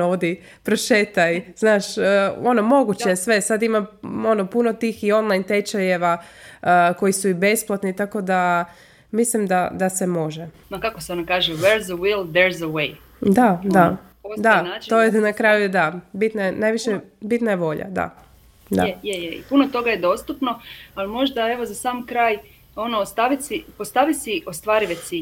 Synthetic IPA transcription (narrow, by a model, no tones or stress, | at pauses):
od̪i | pɾoʃet̪ajznaːʃəonomo̞ɡut͡ɕesʋe̞sad̪imao̞no̞puno̞t̪iːxio̞nlˠajnt̪et͡ʃajeʋa | ko̞jisuibe̞splˠat̪nit̪ako̞d̪a | mislimd̪ad̪ase̞mo̞ʒe | makakoseonakaːʒeʋeɾzəwilˠd̪eɾzəwej | d̪ad̪a | od̪anaːt͡ʃt̪ojenakɾajujed̪abit̪nanajʋiʃebit̪najeʋo̞ʎa̰d̪a̰ | d̪a̰jejeḭpunot̪o̞ɡajed̪o̞st̪upnoalimo̞ʒd̪ae̞ʋo̞zasaːmkɾaːj | o̞nost̪aʋit̪sipost̪aʋit̪siʔost̪ʋaːɾiʋet̪si